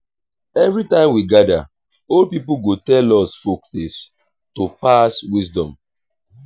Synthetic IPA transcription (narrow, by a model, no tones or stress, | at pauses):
ɛvɹɾitãɪ̃mwiɡada̰ | olpipuɡotɛlɔsfokθis | topaswisdɔ̰̃m